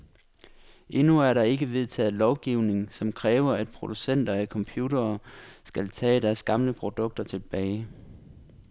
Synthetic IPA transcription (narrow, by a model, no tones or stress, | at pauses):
ʔe̝nuæɐɾɑ̈e̝ɡ̥əʋe̝ð̞ˠt͡sʰɛ̰ːð̩ˠlɒʊɡ̥iʊ̰ne̝ŋsɒ̽mkʰʁɛːʊɐæd̥̚pʰʁo̝d̥usen̰d̥ɐækʰɒ̽mpʰjuːd̥ɐːsɡ̥ælt͡sʰɛ̰ːd̥æɐsɡ̥ɑ̈mləpʰʁo̝d̥ɔ̽ɡ̥̚d̥ɐt͡sʰe̝lb̥ɛːɪ